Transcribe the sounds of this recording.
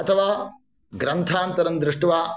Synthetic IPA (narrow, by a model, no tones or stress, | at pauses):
ɐt̪ʰɐʋaː | ɡɾɐnt̪ʰaːnt̪ɐɾɐnd̪ɾuʂʈɐʋaː